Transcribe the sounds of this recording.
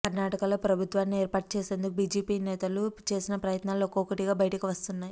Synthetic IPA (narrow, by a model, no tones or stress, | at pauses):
kɐɾnaːʈɐkɐlo̞ːpɾɐbʱut̪ʋaːnːieːɾpaːʈ̚t͡ʃe̞ːse̞ːnd̪ukubiːd͡ʒiːpiːnɛːt̪ɐlut͡ʃe̞ːsinɐpɾɐjɐt̪naːlokokɐʈiɡaːbɐjʈɐkuʋɐst̪unːaːji